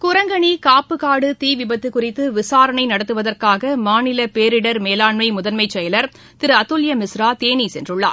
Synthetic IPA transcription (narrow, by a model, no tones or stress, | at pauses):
kʊɾɐŋɡɐɳikaːpːɯkaːɽɯt̪iːʋɪbɐt̪ːɯkʊrɪt̪ːɯʋɪsaːɾɐɳɐɪnɐɽɐt̪ːɯʋɐðɐrkaːɣɐmaːnɪlɐpeːɾɪɽɐɾmeːlaːɳmɐɪmʊðɐnmɐɪt͡ʃːɛjɐlɐɾ | t̪ɪɾɯɐt̪ːʊljɐmɪsɾaːt̪eːniːsɛndrɯɭːa̰ːɾ